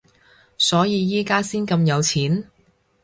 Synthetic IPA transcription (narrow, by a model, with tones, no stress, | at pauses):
sɔː˨˥jiː˨˧jiː˥kaː˥siː˥nkɐ˧mjɐ˨˧wt͡sʰiː˨˥n